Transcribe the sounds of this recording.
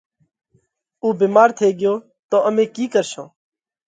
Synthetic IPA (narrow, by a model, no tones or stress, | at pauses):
uːbiːmaːɾt̪ʰeːɡɪjoː | t̪oːʔəmẽːkiːkəɾʃõ̰ː